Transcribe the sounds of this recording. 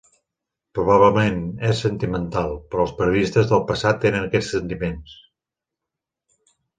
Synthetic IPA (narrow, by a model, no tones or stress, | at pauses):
pɾuβ̞aβləmenɛsːənt̪imənt̪alˠpɾɔəlˠspəɾiuðist̪əzðəlˠpəsat̪ːenənəkɛt͡sssənt̪imens